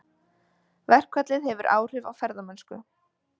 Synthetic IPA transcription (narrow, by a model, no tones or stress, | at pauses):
vɛr̥kʰvat̪lɪðhɛvʏɾʔa̰ːwr̥ɪva̰wfɛɾðamœnskʏ̰